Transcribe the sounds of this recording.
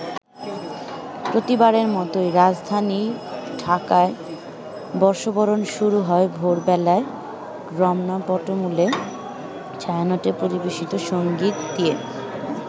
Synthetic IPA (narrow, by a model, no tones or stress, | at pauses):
pɾot̪ibaɾeɾmɔt̪ojɾad͡ʑd̪ʱaniɖʱakae | bɔɾʃobɔɾonʃuɾuɦɔebʱoɾbɛlae | ɡɾɔmnapɔʈomule | t͡ɕajanoʈepoɾibeʃit̪oʃoŋɡit̪̚d̪ie